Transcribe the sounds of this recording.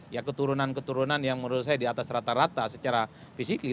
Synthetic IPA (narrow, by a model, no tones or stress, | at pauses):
jakət̪uɾunankət̪uɾunanjaŋməɾus̬ajadiat̪asrat̪aɾat̪asət͡ʃaɾa | fisikli